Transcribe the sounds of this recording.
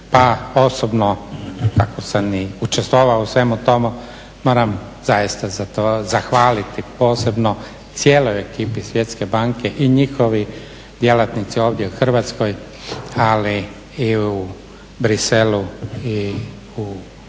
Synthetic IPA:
paosobnokakosamiut͡ʃest̪ʋoʋausʋe̞mut̪o̞mu | mo̞ːɾamzajist̪azat̪ozaxʋaːlit̪ipo̞ːse̞bno | t̪sjeːlojekiːpisʋjet̪ske̞baːŋke̞ʔiɲixo̞ʋi | d̪je̞lat̪nit̪sio̞ːʋd̪jeuxr̩ʋat̪sko̞j | ali | iu | bɾiselui | u

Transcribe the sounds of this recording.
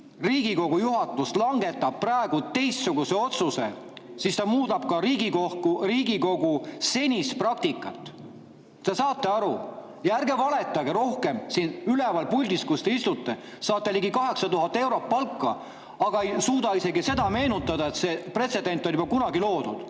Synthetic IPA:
riːɡ̥iko̞ɡ̥ujuɦɑt̪ːˑuslɑŋɡe̞t̪ːˑɑb̥̚pːrɑeɡ̥ut̪e̞jst̪suɡ̥use̞o̞t̪susesist̪ɑmuːd̪ɑb̥̚kɑɾiːɡikokuriːɡiko̞ɡuse̞nʲisprɑk̚t̪ikːˑɑt̪ːˑ | t̪esɑːt̪ːˑe̞ɑɾu | jɑærɡe̞vɑle̞t̪ːˑɑɡeɾo̞hke̞msinylɛvɑlpulʲd̪iskust̪eist̪ut̪ːˑe | sɑːt̪ːˑeliɡikɑɦe̞ksɑt̪uɦɑt̪ˑːe̞wɾo̞t̪̚pɑlkːɑ | ɑɡ̥ɑeijsuːd̪̥ɑise̞ɡise̞d̪ɑme̞ːnut̪ːˑɑd̪ɑe̞t̪se̞pre̞t̪se̞d̪e̞nt̪ːˑo̞nʲjubɑkunɑɡilo̞ːd̪ud̪̥

